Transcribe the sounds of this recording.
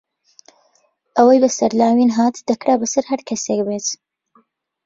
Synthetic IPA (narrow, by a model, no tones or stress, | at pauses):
ʔɐwɐjbɐsɐɾlaːwinɦaːt̪d̪ɐkɾaːbɐsɐɾɦɐɾkʰɐsekbet̪